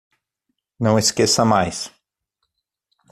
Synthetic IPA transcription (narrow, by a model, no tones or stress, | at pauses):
nɐ̃w̃eskesɐmajs